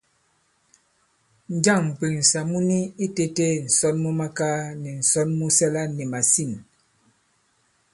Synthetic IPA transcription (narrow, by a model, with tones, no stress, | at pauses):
n̩˨˦d͡ʒa˦˨ŋ̩˨k͡pi˨ŋn̩˨sa˨mu˦ni˦i˦te˦te˦˨n̩˨sɔ˦nmu˦ma˦ka˦nɛ˨n̩˨sɔ˦nmu˦sɛ˦la˦nɛ˨ma˨si˦˨n